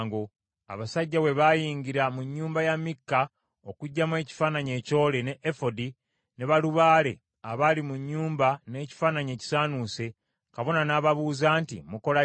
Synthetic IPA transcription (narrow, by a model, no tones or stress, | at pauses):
ŋɡo | a̰βasaɟːawe̞βajiːɲɡiɾamuɲːuːmbajamːikːa | o̞kuɟːamwe̞ːci̥faːnaɲe̞ːco̞ːle̞ne̞ʔefo̞di | ne̞βaluβaːle̞ | aβalimuɲːuːmbane̞ːci̥faːnaɲe̞ːci̥saːnuːse̞ | kaβo̞nanaːβaβuːzaːntḭmuko̞la